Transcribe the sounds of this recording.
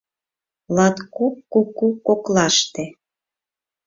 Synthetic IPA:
lɑt̪kukːukːukːoklɑʃt̪e

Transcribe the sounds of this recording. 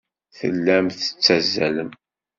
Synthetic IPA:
θə̰lːæmθə̥t͡sːæzːæləm

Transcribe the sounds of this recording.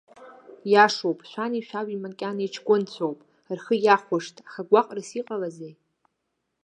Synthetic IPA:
jaʂowpʼʃʷᶣaniʃʷᶣawimakʲʼanet͡ʃʰkʷʼʊnt͡sʷʰowpʼ | rχəjaχʷʊʂtʰʼaχaɡʷaqʼrasiqʼalazej

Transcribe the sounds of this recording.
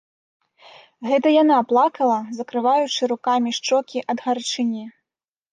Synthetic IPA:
ɣɛt̪ɐjanaplˠakɐlˠɐzɐkɾɨvajut͡ʂɨɾukamʲiʂt͡ʂɔkʲiʔɐd̪ɣart͡ʂɨnʲɛ

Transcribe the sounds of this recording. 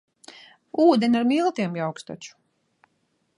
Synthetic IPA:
uːd̪ʲenʲaɾmilˠt̪iɛmjawkst̪ɔ̰t͡ʃu̥

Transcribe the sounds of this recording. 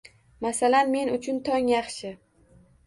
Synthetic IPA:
masalanme̞nʊt͡ʃʰʊnt̪ʰɒŋjɑχʃɪ

